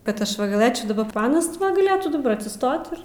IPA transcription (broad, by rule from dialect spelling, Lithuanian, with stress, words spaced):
kɐt ˈɐʃ ʋɐ ɡɐˈlˠɘt͡ʃʲɛʊ dɐˈbɐ ˈɑːnɐs tʲɪ ˈʋɐ ɡɐˈlʲeːtuː dɐˈbɐ ɐtʲsʲɪˈstoːt ɪr